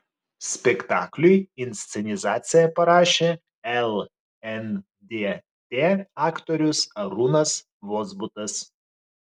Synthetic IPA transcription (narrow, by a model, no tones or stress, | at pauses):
sʲpʲɛkt̪ɑːklʲʊjɪnʲsʲt̪sʲɛnʲɪzɑːt̪sʲɪjɛpɐɾɑːʃʲeː | ɛlˠ | ɛn | d̪ʲe | t̪ʲeːɑːkt̪ɔɾʲʊsɐɾunɐs | ʋoːzbʊt̪ɐs